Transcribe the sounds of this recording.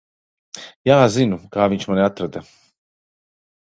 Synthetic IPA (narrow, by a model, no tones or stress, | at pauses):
jaazinukaːvint͡ʃmanat̪ɾəd̪ɛ